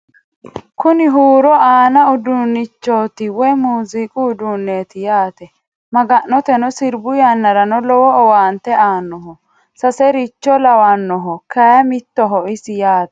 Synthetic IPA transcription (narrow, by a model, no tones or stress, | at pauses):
kʊnɪɦuːɾɔaːnɐʊd̪unːɪt͡ʃːoːt̪ɪwɔjmuːzikʼʊːd̪uːnːeːt̪ɪjaːt̪ɛ | mɐɡɐnːɔt̪ɛnɔsɪɾbʊjanːɐɾɐnɔlɔwɔːwaːnt̪ɛaːnːɔɦɔ | sɐsɛɾɪt͡ʃːɔlɐwanːɔɦɔkɐjɐmɪt̪ːɔɦɔʔɪsɪjaːt̪ɛ